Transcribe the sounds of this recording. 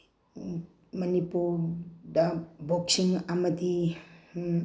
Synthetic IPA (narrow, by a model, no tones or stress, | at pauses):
mɐnipuɾdaboksiŋamɐd̪i